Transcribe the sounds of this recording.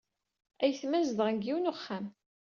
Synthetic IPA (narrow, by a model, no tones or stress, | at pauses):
æjθmæzðʁəɡiwnoχːam